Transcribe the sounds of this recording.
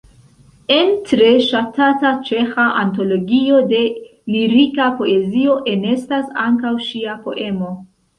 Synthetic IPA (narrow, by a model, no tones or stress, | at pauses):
e̞ntɾe̞ʃatatat͡ʃe̞xaʔanto̞lo̞ɡio̞de̞liɾikapo̞e̞zio̞ʔe̞ne̞stasaŋkawʃiapo̞ʔe̞mo̞